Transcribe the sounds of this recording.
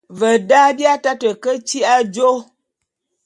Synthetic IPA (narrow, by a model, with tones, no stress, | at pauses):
və˨da˦bja˦ta˦tə˨kə˦t͡ʃi˦ʔa˦d͡ʒo˦